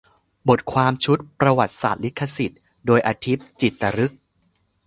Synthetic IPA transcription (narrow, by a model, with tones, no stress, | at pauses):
bo˨˩t̪̚kʰwaː˧mt͡ɕʰu˦˥t̪̚pɾa˧wa˨˩t̪̚sa̰ː˨˩t̪̚li˦˥kʰːa˧si˨˩t̪̚ | doː˧jʔaː˧t̪ʰi˦˥p̚t͡ɕi˨˩t̪ːa˧ɾɯ˦˥k̚